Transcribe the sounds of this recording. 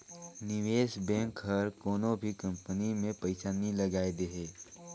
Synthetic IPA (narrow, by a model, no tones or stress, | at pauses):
nɪʋeːʃbɛ̃ːŋkɦəɾkoːnõbʱikɐ̃mpənimẽpɐɪsaːnilɐɡaːed̪eɦeː